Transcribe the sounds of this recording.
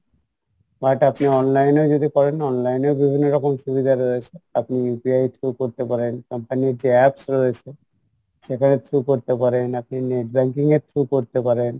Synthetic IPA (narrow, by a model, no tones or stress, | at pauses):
baʈapniɔnlajnod͡ʑod̪ikɔɾenɔnlajnebibʱinːoɾɔkomʃubid̪ʱaɾoet͡ɕʰeapnijupiajt̪ʰɾukoɾt̪epaɾenkɔmpaniɾd͡ʑiɛpsɾoet͡ɕʰe | ʃekʰanet̪ʰɾukoɾt̪epaɾenap̚nineʈbɛŋkiŋeɾt̪ʰɾukoɾt̪epaɾen